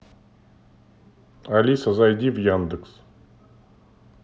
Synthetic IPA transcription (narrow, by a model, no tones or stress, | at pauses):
alʲisazajd̪ʲivjand̪əks